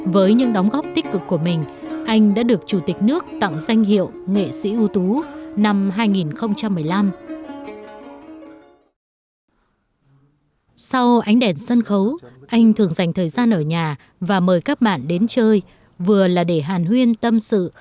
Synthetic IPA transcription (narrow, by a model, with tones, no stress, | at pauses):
vəː˨˦jɲɨ̰˧˥ŋɗɔ˨˦wŋ͡mɣɔ˦˥p̚t̪i˦˥k̟̚kɨ˨˩kːu˧˩əmï˨˩ŋ̟ʔa˧jŋ̟ɗa̰ː˧˥ɗɨ˨˩ək̚t͡ɕu˧˩t̪ï˨˩k̟̚nɨ˦˥ək̚t̪a̰˧˨ŋza˧jŋ̟ɦḭ˧˨əwŋḛ˧˨sḭ˧˥ʔu˧t̪u˨˦na˧mɦaː˧jŋi˨˩nxə˧wŋ͡mt͡ɕa˧mːɨ˨˩əjla˧m | sa˧wʔa˨˦jŋ̟ɗɛ˧˩nsə˧nxə˨˦wʔa˧jŋ̟t̪ʰɨ˧˩əŋza˨˩jŋ̟t̪ʰəː˨˩jzaː˧nʔəː˧˩ɲaː˨˩ | vaː˨˩məː˨˩jkaː˦˥k̚ɓa̰ː˧˨nɗe˨˦nt͡ɕəː˧j | vɨ˨˩əlaː˨˩ɗe˧˩ɦaː˨˩nɦwi˧ənt̪ə˧msɨ̰˧˨